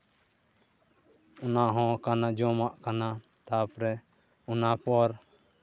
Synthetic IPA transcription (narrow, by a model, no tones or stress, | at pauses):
ʊnaɦɔ̃kanad͡ʒɔmaʔkana | t̪apɾɛ | unapɔɾ